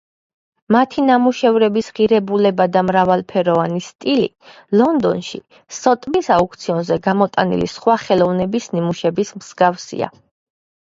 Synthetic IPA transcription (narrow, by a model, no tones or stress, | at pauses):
mat̪ʰinamuʃɛvɾɛbisʁiɾɛbulɛbad̪amɾavalˠpʰɛɾɔvanist̪ʼilḭ | lɔnd̪ɔnʃḭ | sɔt̪ʼmisauk̚ʰʼt̪sʰiɔnzɛɡamɔt̪ʼa̰nḭlḭsχwaχɛlˠɔvnɛbisnimuʃɛbismz̥ɡafsḭa̰